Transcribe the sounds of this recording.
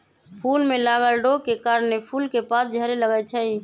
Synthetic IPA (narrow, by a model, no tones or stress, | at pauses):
pʰulmelaɡəlɖokekaɾənːepʰulkepasd͡ʒʱəɾeləɡət͡ʃʰəi